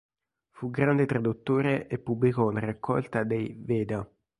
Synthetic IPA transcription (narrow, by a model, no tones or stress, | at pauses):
fuɡɾand̪et̪ɾad̪ut̪ːoːɾeʔepːubːlikɔlarakːɔ̰lt̪ad̪ejvɛːd̪a